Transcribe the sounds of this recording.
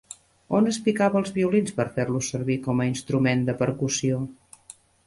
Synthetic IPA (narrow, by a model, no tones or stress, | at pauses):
onəspikaβəːlˠzβiulinspəɾfeɾlusəɾβikɔməinst̪ɾumend̪əpəɾkusio